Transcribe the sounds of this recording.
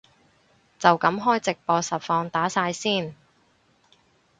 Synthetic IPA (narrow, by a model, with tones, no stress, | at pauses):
t͡sɐ˨wkɐ˨˧˥mɦɔː˥jt͡sɪ˨k̚pɔː˧sɐ˨t̚fɔː˧ŋt̪aː˨˥saː˧jsiː˥˩n